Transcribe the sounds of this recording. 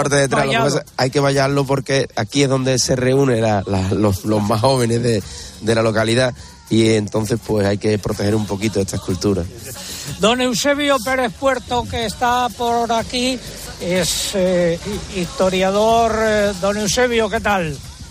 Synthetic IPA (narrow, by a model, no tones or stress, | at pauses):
aɾt̪eðet̪ɾalsajke̞βaʎalo̞p̬o̞ɾke̞akie̞ɦðo̞nd̪ese̞re̞unelalalolo̞ɦmaɦɦo̞β̞e̞ne̞ɦðed̪e̞lalo̞kaliða | ie̞nt̪õ̞n̟θe̞hpwe̞sajke̞pɾo̞t̪e̞he̞ɾumpo̞kit̪oe̞st̪ʰaekult̪uɾa | d̪o̞newseβjope̞ɾe̞θpwe̞ɾt̪okeːst̪apoɾaki | es | ist̪o̞ɾjaðoɾd̪o̞newseβ̞joket̪al